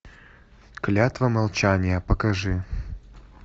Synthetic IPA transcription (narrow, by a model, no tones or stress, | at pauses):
klʲat̪vɐmɐlˠt͡ɕanʲɪjəpəkɐʐɨ